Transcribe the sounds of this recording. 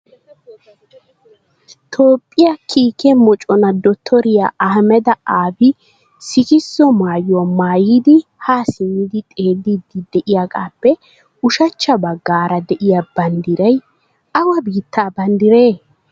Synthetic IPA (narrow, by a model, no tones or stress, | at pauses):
t̪ʰoːpʼːɪjakʰiːkʰɛmɔt͡ʃʼɔnɐd̪ɔt̪ʰːɔɾɪjaʔɐhɐmɛd̪ɐʔaːbɪ | sɪkɪsːɔmaːjʊwamaːjid̪ɪhaːsɪnːɪd̪ɪt̪ʼe̞ːdːid̪ɪd̪ɛʔɪjakʼaːpːɛ | ʊʃɐt͡ʃːɐbɐɡːaːɾɐd̪ɛʔɪjabɐnd̪ɪɾɐj | ɐwɐbiːt̪ːaːbɐnd̪ɪɾe̞ː